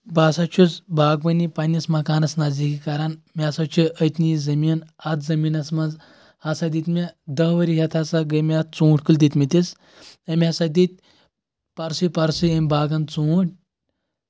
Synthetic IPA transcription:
baːsat͡ʃʰut͡sbaːɡ̚bɐnipanʲismɐkaːnɐsnazikikaɾanmʲasat͡ʃʰuət̪nizɐmiːnat̪zɐmiːnɐsmanz | hasad̪it̪mid̪ɐɦʋəɾiɦʲɐt̪ʰasaɡəmʲat̪t͡suːʈʰʲkəld̪it̪mit̪it͡s | ɐmʲiasad̪it̪̚ʲ | paɾsɨpaɾsɨɐmʲbaːɡɐnt͡suuʈʲ

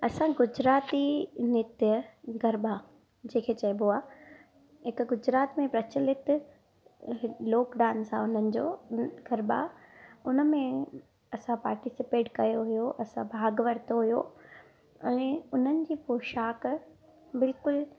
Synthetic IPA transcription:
ɐsãɡʊd͡ʑɾaːt̪inɪt̪jəɡʱɐɾba | d͡ʑẽːkʰeːt͡ɕɐjboaː | ɦɪkɡʊd͡ʑɾaːt̪mẽpɾɐt͡ɕəlɪt̪ | loːkɖaːnsã̰ʊn̤ənɪ̆d͡ʑo̰ːɡʱɐɾba̰ʊnə̆mẽ | ɐsãpaːɾʈisɪpeːʈkɐjoɦʊjoʔɐsã̰bʱaːɡʋɐɾt̪oɦujo | ɛ̃ːʊn̤ənɪ̆d͡ʑiːpoːʃaːk | bɪlkʊl

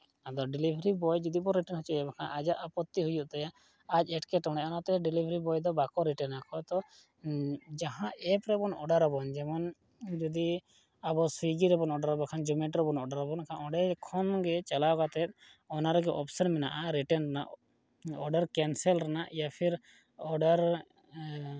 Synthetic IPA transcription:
ad̪ɔɖilibʱɾibɔjd͡ʒɔd̪ipɔɾːɛʈɛnɦɔt͡ʃuɛbɔkʰanʔad͡ʒaʔapɔt̪ːiɦujuʔt̪ajaː | d͡ʒɛʈkɛʈɔɽ̃ɛʔanat̪ɛɖilibʱɾibɔjd̪ɔbakɔɾiʈɛnakɔt̪ɔ | d͡ʒaɦãʔɛpɾɛbɔnɔɖaɾɔbɔnd͡ʒɛmɔn | d͡ʒɔd̪i | abɔsiɡiɾɛbɔnɔɖaɾɔbɔkʰand͡ʒumɛʈɾɔbɔnɔɖaɾɔbɔnkʰanɔɖɛkʰɔnɡɛt͡ʃalawkat̪ɛt̪̚ˀ | ɔnaɾɔɡɛʔɔpsɔnmɛnaʔaɾiʈɛnɾana̰ʔ | ɔɖaɾkɛnsɛlɾanaʔjapʰiɾ | ɔɖaɾ

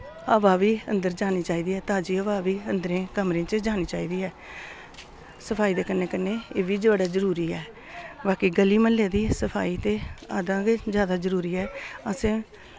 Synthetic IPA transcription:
əʋaːʋiːə̰̃nd̪əɾd͡ʒaːniːt͡ʃaːiːd̪iːɛːt̪aːd͡ʒiːəʋaːʋiːənd̪əɾẽːkəmɾẽːt͡ʃəd͡ʒaːniːt͡ʃaːiːd̪iːɛː | səpʰaːiːd̪eːkənːeːkənːeːeːʋiːd͡ʒaːɽaːd͡ʒəɾuːɾiːɛː | baːkiːɡəliːməlːeːd̪iːsəpʰa̰ːiːt̪eːaːd̪ãːɡed͡ʒjaːd̪aːzəɾuːɾiːɛːəsẽː

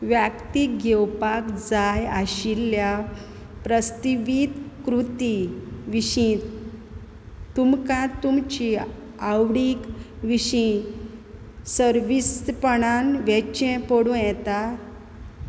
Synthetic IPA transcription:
ʋjakt̪iɡɛwpakd͡zajaɕilja | pɾəst̪iʋit̪kɾut̪iʋiɕĩt̪ | t̪umkãt̪umt͡ɕi | awɽik | ʋiɕĩ | səɾʋispəɳanʋɛt͡ɕɛ̃pəɽũjɛt̪a

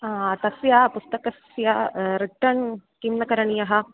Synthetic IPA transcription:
t̪ɐsjapust̪ɐkɐsjaɾiʈːɐɳkimnɐkɐɾɐɳijɐɦɐ̆

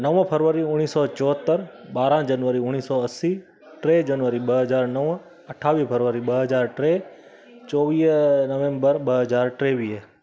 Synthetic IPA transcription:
nəʋpʰəɾʋəɾiuɽ̃isɔt͡ʃɔɦət̪ːəɾbaɾãd͡ʒənʋəɾiʊ̃ɽ̃isɔəsi | ʈɾed͡ʒənʋəɾibəɦəd͡ʒaɾnəʋ | əʈʰaʋipʰəɾʋəɾibəɦəd͡ʒaɾʈɾe | t͡ʃɔʋijnəʋẽmbəɾbəɦəd͡ʒaɾʈɾeʋij

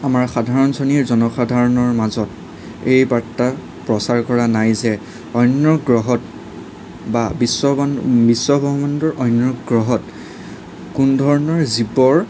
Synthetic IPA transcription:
amaɹxadʱaɹɔnsɔniɹzɔnɔxadʱaɹɔnɔɹmazɔt | ejbatːa | pɹɔsaɹkɔɹanajzɛ | ɔjnːɹɔɡɹɔɦɔt | babisːɔbisːɔbʱɔbbɔndɔɹɔjnɹɔɡɹɔɦɔt | kundʱɔɹɔnɔɹzibɔɹ

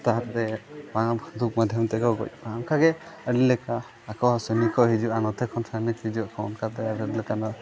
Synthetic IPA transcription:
t̪aɦaɾt̪ɛmãd̪uk̚mad̪ʱjɔmt̪ɛkɔɡɔ̰c̚amkʰaɡɛəɾilɛkaː | kɔsənikɔɦid͡ʒuanɔt̪ɛkʰːɔnsanikhid͡ʒuaʔkʰɔwnkʰat̪ɛaɾəɾilɛkanɔ

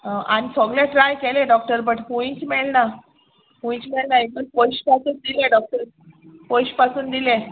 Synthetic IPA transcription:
aɽ̃isɔɡlãʈɾajkelẽɖɔk̚ʈəɾbəʈpũĩt͡ɕmeɭna | pũĩt͡ɕmeɭnaeənpojɕpasuːnd̪ileɖɔk̚ʈəɾ | pojɕpasuːnd̪ilẽ

